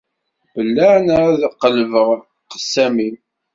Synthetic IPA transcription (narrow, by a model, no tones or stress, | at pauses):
bəlːænɾðqːəlvəʁ | qə̥sːæmim